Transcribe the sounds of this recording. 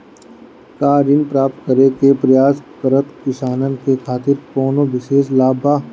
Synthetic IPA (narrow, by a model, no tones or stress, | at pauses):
kaːɾɪnpɾaːp̚t̪kəɾekepɾɐjaːskəɾət̪kɪʃaːnənkekʰaːt̪ɪɾkɔːnoʋɪʃeːʃlaːbaː